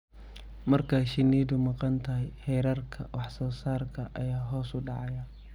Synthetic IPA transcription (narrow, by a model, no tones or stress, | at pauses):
mɐrkʰaʃɪniːd̪ʊmɑqɑnt̪ʰɐɦɛjhɛjɾɐrkʰɐ̰wʔɑħsɔːsaːrkʰɐʔɐ̰jaːɦɔːsʊɖɑʕɑjɐ